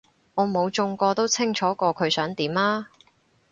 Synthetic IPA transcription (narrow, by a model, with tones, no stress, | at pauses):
ŋɔː˨˧mo˨˧wt͡ʃʊ˧ŋkɔː˧t̪o˥wt͡sʰɪ˥ŋt͡ʃʰɔː˨˥kɔː˧kʰɵ˨˧ɥsœː˨˥ŋt̪iː˨˥maː˥